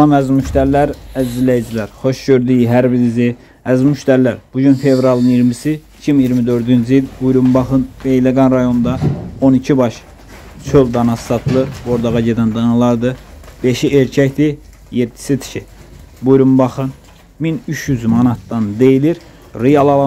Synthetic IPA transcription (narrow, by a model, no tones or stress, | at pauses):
lˠɑmæzmyʃt̪æɾlæɾæzilæjid͡ʒilæɾχo̞ʃɟøɾd̪yjiɦæɾbiɾizi | æzmyʃt̪æɾlæɾb̥uɟynfe̞vɾɑlˠɯniɾmisi | cʰimjiɾmid̪øɾd̪ynd͡ʒiilbujɾumbɑχɯnb̥e̞jleɡɑnɾɑjo̞nd̪ɑonicʰibɑʃ | t͡ʃʰøld̪ɑnɑssɑt̪ʰɯlˠɯɾbo̞ɾd̪ɑʁɑɟe̞d̪ænd̪ɑnɯlˠɑɾd̪ɯb̥e̞ʃieɾcʰæct̪i | jed̪ːi̥sit̪ʰi̥ʃi | bujɾumbɑχɯn | minyʃjyzmɑnɑt̪ːɑnd̪e̞jiliɾ | ɾijɑlˠɑlˠ